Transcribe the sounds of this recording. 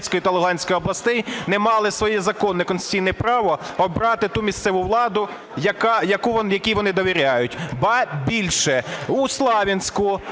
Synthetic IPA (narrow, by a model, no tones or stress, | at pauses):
sʲkɔjit̪ɐlˠʊɦɑnʲsʲkɔjɔblˠɐst̪ɛjnɛmɑlˠɪsʋɔjɛzɐkɔnːɛkɔnsʲtʲijnɛpɾɑʋɔɔbɾɑt̪ɪt̪umʲist̪sɛʋʊʋlˠɑd̪ʊ | jɐkɑjɐkuʋɔjɐkʲiʋɔnɪd̪ɔʋʲiɾʲajʊtʲbɑbʲilʲʃɛːslˠɑʋʲɐnʲsʲkʊ